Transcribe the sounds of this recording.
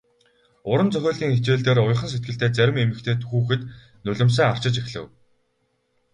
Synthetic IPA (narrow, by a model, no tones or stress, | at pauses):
ʊɾə̆nt͡sœxʲoːɮt̪iːŋet͡ɕeːɮt̪eːɾʊj̆χə̆ns̬et̪ɡɘ̆ɬt̪eːt͡sæɾʲɪ̆memɘ̆kt̪ʰeːt̪ʰɵ̥xuːxɘ̆t̪ | nɵɮʲɪ̆ms̬æːŋar̥t͡ɕɪ̆t͡ɕexɮɘ̰̆w